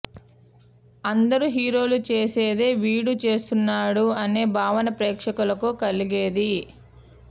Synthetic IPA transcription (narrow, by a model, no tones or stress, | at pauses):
ɐnd̪ɐɾuɦiːɾo̞ːlut͡ʃe̞ːse̞ːd̪e̞ːʋiːɽut͡ʃe̞ːst̪unːaːɽuɐne̞ːbʱaːʋɐnɐpɾeːkʂɐkulɐkukɐliɡeːd̪i